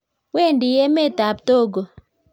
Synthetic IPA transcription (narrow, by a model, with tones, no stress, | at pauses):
we˦˨ndi˨je˦me˦˨ta˨p̚to˦˨ɡo˨